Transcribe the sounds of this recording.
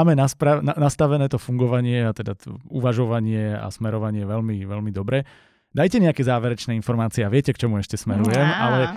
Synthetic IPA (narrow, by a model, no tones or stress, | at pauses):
aːmɛnaspɾananast̪aʋɛnɛːt̪ɔfuŋɡɔʋaɲɪɛat̪ɛd̪at̪ɔuʋaʒɔʋaɲɪɛa̰smɛɾɔʋaɲɪɛʋɛʎmiʋɛlmid̪ɔbɾɛ | d̪ajcɛɲɛakɛːzaːʋɛɾɛt͡ʃnɛːinfɔɾmaːt͡siɛaʋɪɛcɛkt͡ʃɔmuɛʃcɛsmɛɾujɛmʔa̰lɛ